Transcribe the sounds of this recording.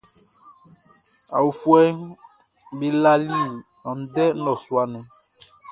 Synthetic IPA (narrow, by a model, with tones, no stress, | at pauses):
a̰˨wu˨fu˦ɛ˦ | be˦la˦li˦nɔ̃˨n̩˦dɛ˦ɔ˨swa˦nũ˨˦